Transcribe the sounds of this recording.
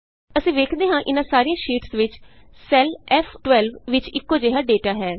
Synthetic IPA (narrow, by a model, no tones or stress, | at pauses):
əsĩːʋeːkʰd̪eːɦãːʔɪnãːsaːɾiːãːʃiːʈsʋɪt͡ʃ | sɛːlɛːfʰʈʋɛːlʋʋɪt͡ʃɪkːoːd͡ʒeːɦaːɖeːʈaːɦɛː